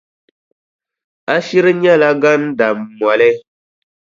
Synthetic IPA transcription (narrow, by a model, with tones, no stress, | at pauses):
a˦ʃi˦ɾɨ˦ɲɛ˦la˦ɡa˦n˦da˨mː˨ɔ˨lɛ˦